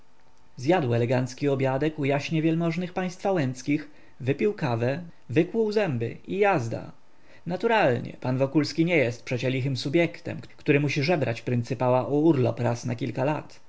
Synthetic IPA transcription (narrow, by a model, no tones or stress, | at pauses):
zjad̪wɛlɛɡant̪skʲiɔbʲjad̪ɛkujaɕɲɛvʲjɛlmɔʐnɘxpaj̃st̪fawɛnt̪skʲix | vɘpʲiwkavɛ | vɘkwuwzɛmbɘ̰ijazd̪a̰ | nat̪uɾalɲɛ̰panvɔkulskʲiɲɛjɛst̪̚pʂɛt͡ɕɛlʲixɘmsubʲjɛkt̪ɛ̰mkkt̪uɾɘmuɕiʐɛbɾʔa̰t͡ɕpɾɘnt̪sɘpawaʔuuɾlɔ̰pɾasnakʲilkalat̪